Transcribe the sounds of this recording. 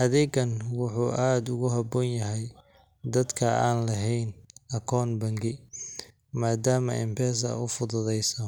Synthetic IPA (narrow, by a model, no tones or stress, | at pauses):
ʔɐðɛːɡɐnwʊħuːʔaːd̪ʊɣʊɦɐbɔːnjɐɦɛj | d̪ɐd̪kʰɐaːnlɐɦɛjnɐkʰɔːnbɐŋɡɪ | maːd̪aːmɐ̰ʔɪ̰mpʰɛːs̬ɐ̰ʊfʊðʊðɛjsɐ